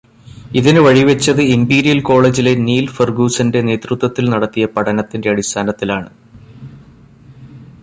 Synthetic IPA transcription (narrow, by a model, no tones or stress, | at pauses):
iðinɨʋɐɻiʋet͡ɕːɐðɨimbiːɾijɐlko̞ːɭe̞ːd͡ʑile̞niːlferɡuːsɐnde̞ne̞ːt̪rut̪wɐt̪ːilnɐɽɐt̪ːijɐpɐɽɐnɐt̪ːinde̞ɐɽist̪ʰaːnɐt̪ːilaːɳɨ